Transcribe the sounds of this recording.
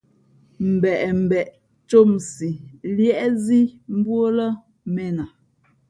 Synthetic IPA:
m̩˨bɛ˨ʔm̩˨bɛ˨ʔ | t͡ʃo˦˨msi˨ljɛ˦˨ʔzi˦m̩˦bwo˦lə˦ | mɛ˦˨na˨

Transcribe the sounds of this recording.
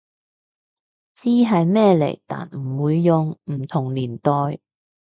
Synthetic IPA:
t͡siː˥ɦɐ˨jmɛː˥lḛ˨˩jt̪a̰ː˨nm̩˨˩wuː˨˧jːʊ˨ŋm̩˨˩t̪ʰʊ˨˩ŋliː˨˩nt̪ɔː˨j

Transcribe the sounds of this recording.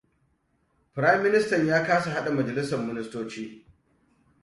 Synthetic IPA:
pɪ˨ɾa˦jɐ˦mːɪ˦nɪ˦stɐ˨ɲjaː˦kaː˦sa˨ɦa˦ɗa˨mɐ˨d͡ʒɐ˨lɪ˦sɐ˨rmɪ˦nɪ˦stoː˦t͡ʃiː˦

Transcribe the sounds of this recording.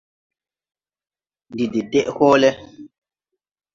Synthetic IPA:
ndi˨de˨dɛ˦ʔhɔ˦lɛ˦

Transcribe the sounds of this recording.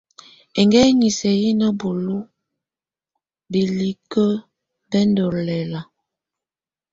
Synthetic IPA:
e˨ŋɡɛ˦ɲi˨sɛ˨ji˦nə˦bo˨lo˦ | be˨li˦kə˦ | bɛ˦ndɔ˨lɛ˨la˨

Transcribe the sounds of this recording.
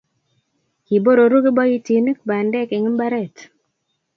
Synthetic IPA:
ki˨bo˦ɾo˨ɾu˦ɡe˦bɔ˦i˦ti˨n˦kba˨ndɛ˦ke˨ŋ˦mba˦ɾɛ˦˨t

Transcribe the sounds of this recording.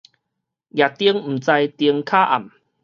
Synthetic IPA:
ja˨˩t̪i˧˦əŋm̩˨˩t͡sa˧jt̪i˧əŋkʰaː˦ʔa˨˩m

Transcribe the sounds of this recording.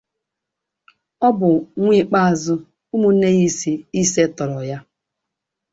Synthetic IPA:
ɔ˦bʊ˨ŋʷi˦k͡pa˦a˨zʊ˦ | u˦mu˦ne˦ɣi˦si˨i˦se˦tɔ˨ɾɔ˨ja˦

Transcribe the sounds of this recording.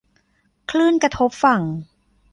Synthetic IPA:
kʰlɯː˥˩nkɾa˧t̪ʰo˦˥p̚fa˨˩ŋ

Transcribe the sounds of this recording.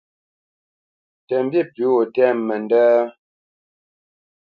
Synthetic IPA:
tɛ˨m˦bji˦˨pi˨˦wo˨tɛ˦˨mːɛ˨n˨dɛː˦

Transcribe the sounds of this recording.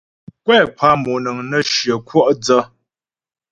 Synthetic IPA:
kwɛː˦˨pʰa˦mo˨nɨ˨ŋnə˦ʃjə˨kwɔ˦ʔd͡zə˦

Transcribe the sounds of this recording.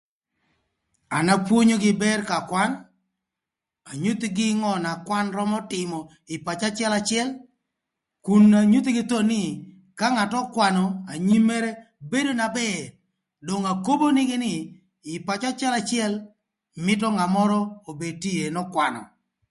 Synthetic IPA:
a˨na˦pwo˦ɲo˦ɡɪ˦bɛ˦rka˨kwa˦n | a˨ɲu˦t̪ɡɪ˦ŋɔ˦na˨kwa˦nɾɔ˦mɔ˦tɪ˨mɔ˨ | ɪ˨pa˨t͡ʃa˦t͡ʃɪ˦ɛ˦la˨t͡ʃɪɛ˦l | ku˨nːa˨ɲu˦t̪ɡɪ˦t̪o˦nɪ˦ | ka˦ŋa˨tɔ˦kwa˨nɔ˨a˨ɲi˦mɛ˦ɾɛ˦ | be˦do˦na˨bɛ˦ | do˨ŋa˨ko˦bo˦nɪ˦ɡɪ˦nɪ˨ | ɪ˨pa˨t͡ʃa˦t͡ʃɪɛ˦la˨t͡ʃɪɛ˦l | mɪ˦tɔ˦ŋa˨mɔ˦ɾɔ˦o˨be˨ti˦e˨nɔ˦kwa˨nɔ̰˨

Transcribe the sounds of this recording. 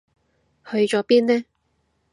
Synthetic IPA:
hɵ˧ɥt͡ʃɔː˨˥piː˥nnɛː˥

